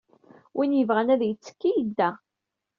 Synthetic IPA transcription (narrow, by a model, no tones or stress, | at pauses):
wʔinjəvʁænæðjət͡sːə̥kːijəd̪ːæ